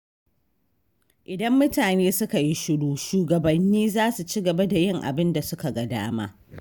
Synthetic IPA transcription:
ʔɪ˨dɐ˦mːʊ˦taː˨neː˦sʊ˦ka˨ji˦ʃʊ˦duː˦ʃuː˨ɡɐ˨bɐ˨nːiː˦zaː˦su˨t͡ʃi˦ɡɐ˨ba˦da˨jɪ˦ŋʔa̰˨bɪ˦nda˨sʊ˦ka˨ɡɐ˨da̰ː˦ma̰ː˦

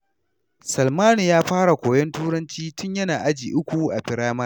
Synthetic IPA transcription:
sɐ˨lmaː˦nu˨jaː˦ɸaː˦ɽa˨kʷoː˨jɔ˦ntuː˦ɽɐ˦nt͡ʃiː˦tʊ˦ɲjɐ˦naː˨ʔa˦d͡ʒiː˨ʔʊ˦kʷu˨ʔa˨ɸɪ˨ɽaː˦mɐ˦

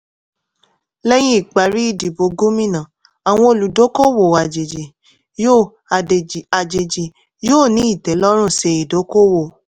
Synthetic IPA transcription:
lɛ˦j̃ĩ˦i˦˨k͡pa˨ɾi˦i˦˨di˨bo˧ɡo˦mĩ˦nã˨ | a˨w̃ɔ̃˧o˨lu˨do˨˦ko˦wo˨a˨d͡ʒe˨d͡ʒe˨ | jo˦˨ | e˨a˨d͡ʒe˨d͡ʒi˨ | joː˦˨nĩ˨˦i˦˨tɛ˨˦lɔ˦ɾ̃ũ˦˨se˧i˨do˨˦ko˦wo˨

